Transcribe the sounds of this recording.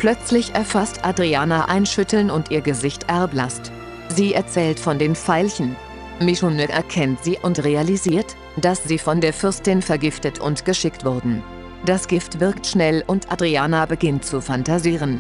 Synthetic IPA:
pʰlœt͡slɪçʔɛɐfastʔadʁiaːnaʔaɪnʃʏtl̩nʊntʔiːɐɡəzɪçtʔɛɐblast | ziːʔɛɐt͡sɛːltfɔndeːnfaɪlçn̩ | miʃonœkʔɛɐkʰɛntz̥iːʔʊntʁealiziːɐt | d̥asz̥iːfɔndeːɐfʏɐstɪnfɛɐɡɪftətʰʊ̰ntɡ̥əʃɪktv̥ʊɐdn̩ | d̥asɡ̥ɪftv̥ɪɐktʃnɛlʊntʔadʁiaːnabəɡɪntt͡sufantaziːʁ̞ən

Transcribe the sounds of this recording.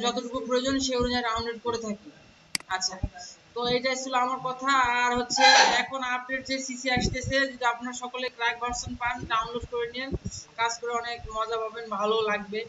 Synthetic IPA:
d͡ʑɔt̪oʈukupɾojod͡ʑonʃeuɾid͡ʑaɖawnleɖ̚koɾet̪ʰake | aːɕʰat̪oejʈaeʃuloamaɾkɔt̪ʰaːɾɦotːɕʰeɛkʰonapdeɾd͡ʑesisiaʃt̪et͡ɕʰed͡ʑud̪iapnaɾʃɔkolekɾaek̚bʱaɾsonpanɖawnloɖkoɾenienkad͡ʑkoɾeɔnekmɔd͡ʑabʱabenbʱalolaɡ̚be

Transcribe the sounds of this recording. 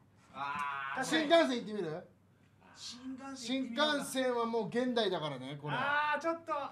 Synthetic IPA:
ɕĩŋkãɰ̃s̬ẽit̪ːemʲiɾɯ̟ | ɕĩŋkãɰ̃sẽ̞ɰ̃βamo̞ːɡẽ̞nd̪aid̪akaɾaneko̞ɾet͡ɕot̪ːo

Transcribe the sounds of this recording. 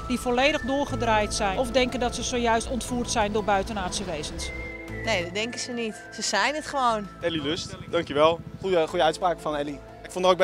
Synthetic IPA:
d̥ifoleːdəxdʊːrɣədraːjtsɛjɔfdɛŋkəndɔtsəsoːjœɥstɔntfuːrtsɛjndʊːɹbœɥtənaːsjəʋeːzənsneːdɔdɛŋkəsənit | səsɛjnətχəʋownɛliløstdɑŋkjəʋɛlˠχujəχujəœɥtspraːkəfɔnɛli | ɪkfɔndəroːɡ̚b

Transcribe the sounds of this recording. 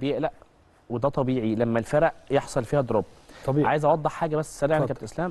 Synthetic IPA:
bejeʔlæʔ | wed̪æt̪ˤɑbiːʕilæmːælfæɾæʔjeħsˤɑlfiːhæd̪oɾˤɑb̪̚ʕaːjezʔɑwɑd̪ˤːeħħaːɡæbæsːsæɾiːʕkæbt̪ʔeslæːm

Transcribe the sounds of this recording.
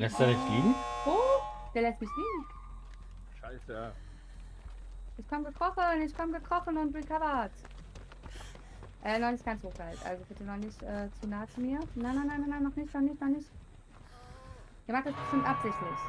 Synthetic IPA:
lɛstd̥unɪçɡ̥iːoːd̥eːɐlɛst̚mɪçɡ̥iːn̩ | ʃaɪsja | ʔɪçkʰɔmɡəkʁ̥ɔχənɪçkʰɔmɡəkʁ̥ɔχən̩ʊntʁikʰavɐt | ʔɛːnɔχnɪçtɡ̥ant͡shoːɡ̥altʔa̰lzobɪtənɔχnɪçtʔɛːt͡sunaːt͡sumiːɐnaɪnaɪnaɪnaɪnaɪnːɔχnɪçtnɔχnɪçtnɔχnɪçt | iːɐmaχtd̥asb̥əʃtʏmtʔapz̥ɪçtlɪç

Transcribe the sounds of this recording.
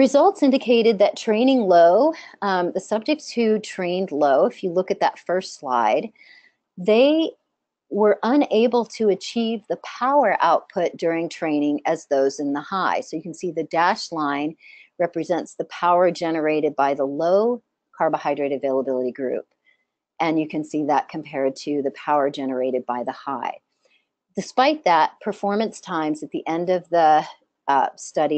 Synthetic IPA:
ɹɨzʌlˠtsɪ̃ndɨkʰeɪɾɨd̪̚ðɨtʰɹ̥ẽɪ̃ñɪ̃ŋloʊðɨsʌb̚d͡ʒɨk̚tshʉtʰɹ̥ẽɪ̃ndˡloʊɨfjɨlʊkɨt̪̚ðɨtfɜ˞stsla̰ɪd̪̚ | ðeɪ | wə˞ʔə̃neɪbl̩ˠtʰɨɨt͡ʃʰivðɨpʰaʊə˞ʔa̰ʊt̚pʰʊt̚d̥ʊɹɪ̃ŋtʰɹ̥ẽɪ̃nɪ̃ŋɨzðoʊzɨ̃nðəhaɪsoʊjɨkn̩siðɨdæʃlãɪ̃nɹɛpɹɨzɛ̃ntsðɨpʰaʊə˞d͡ʒɛnə˞eɪɾɨd̚baɪðəloʊ | kʰɑɹbəhaɪdɹeɪɾɨveɪlˠəbɪlˠəɾiɡɹʉ̰p̚ | ʔɨ̃njɨkɨ̃nsiðət̚kʰm̩pʰɛɹd̚tʰɨðɨpʰaʊə˞d͡ʒɛnə˞eɪɾɨd̚baɪðəhaɪ | d̥ɨspaɪt̪̚ðət̚pʰə˞fɔɹmɨ̃nstʰãɪ̃mzɨt̪̚ðiʔɛ̃ndʌvðə | stʌɾi

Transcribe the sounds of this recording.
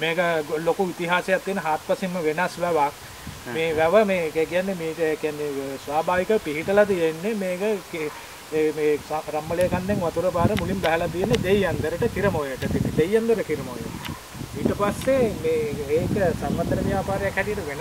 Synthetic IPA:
meːkəɡlokuit̪iɦaːsejat̪ːijenəɦaːt̪̚pasimːəʋenasʋæʋak̚ | meːʋæʋəmeːkkijanːemiːʈəekijanːesʋaːbʱaːʋikəpiɦiʈəlat̪ijenːemeːkəke | meːaɾamːəlejːkanːeŋʋat̪uɾəbaːɾəmulimbæɦɛlat̪ijenːed̪ejːand̪əɾəʈəkiɾəmojəʈət̪it̪d̪ejːand̪əʈəkiɾəmojḛ | iːʈəpasːemeːeːkəsaŋʋat̪ːɾəʋjaːpaːɾejakhɛʈijəʈəʋen

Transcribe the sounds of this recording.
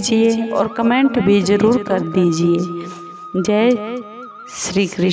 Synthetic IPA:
d͡ʒieɔ̰ːɾkəmẽːɳʈbʱid͡ʒəɾuːɾkəɾd̪iːd͡ʒie | d͡ʒɛ | ʃɾiːkɾɪ

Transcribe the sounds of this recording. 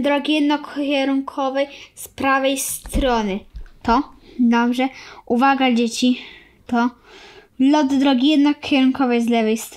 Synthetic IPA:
d̪ɾɔɡʲijɛd̪nɔkkʲɛɾunkʰɔvɛjspɾavɛjst̪ɾɔnɘt̪ɔd̪ɔbʐɛuvaɡad͡ʑet͡ɕi | t̪ɔ | lɔd̪ːɾɔɡʲijɛd̪nɔkʲeɾuŋkɔvɛjzlɛvɛjst̪

